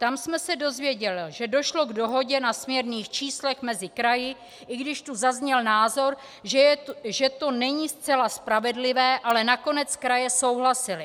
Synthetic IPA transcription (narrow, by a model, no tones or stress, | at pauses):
t̪amsmɛsɛdo̞zvjɛɟɛlɪʒɛdo̞ʃlo̞ɡdo̞ɦo̞ɟɛnasmɲɛɾniːxt͡ʃiːslɛxmɛzɪkɾajɪ | ʔɪɡdɪʃt̪uzazɲɛlnaːzo̞ɾ | ʒʒɛt̪o̞nɛɲist͡sɛlaspɾavɛdlɪvɛːʔalɛnako̞nɛt͡skɾajɛso̞wɦlasɪlɪ